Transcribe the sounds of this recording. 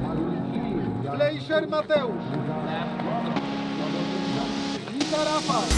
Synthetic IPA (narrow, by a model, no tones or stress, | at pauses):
lejʃeɾmat̪ewʃ | it̪aɾafa